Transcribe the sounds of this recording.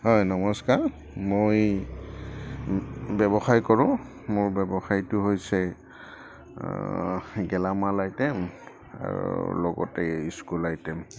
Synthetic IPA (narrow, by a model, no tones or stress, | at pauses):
ɦɔjnɔmɔskaɹ | moj | bɛbɔxajkɔɹʊ̃ | mʊɹbɛbɔxaɹitʊɦojsɛ | ɡɛlamalajtɛm | a̰ɹṵlɔɡɔ̰tɛiskulajtɛm